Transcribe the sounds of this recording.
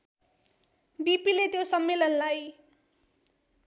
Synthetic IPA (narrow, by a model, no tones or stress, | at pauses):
bipilet̪josʌmːelʌnlaj